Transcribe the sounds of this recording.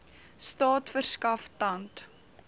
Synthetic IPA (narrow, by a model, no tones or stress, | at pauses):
stɑːtfərskɐftɐnt